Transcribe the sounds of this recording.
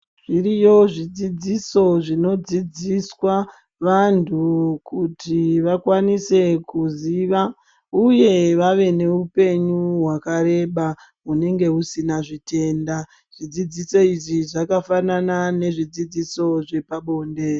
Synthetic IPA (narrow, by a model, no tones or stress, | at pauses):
ʐirijo̞ʐid͡zid͡ziso̞ʐino̞d͡zid͡ziswa | ʋantʰukutiʋakwanise̞kuziːʋa | uje̞ʋaʋe̞ne̞upe̞ɲuɦwakaɾe̞ɓa | ɦune̞ŋɡe̞usinaʐite̞ːnda | ʐ̥id͡zid͡ziso̞iʐiʐakafananane̞ʐid͡zid͡ziso̞ʐe̞paɓo̞ːnde̞